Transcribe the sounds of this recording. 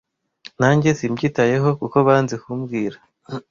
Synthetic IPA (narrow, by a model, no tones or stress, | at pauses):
naːɲɟe̞simɟiːtaje̞ɦo̞kuko̞βaːnzikumbɡiːɾa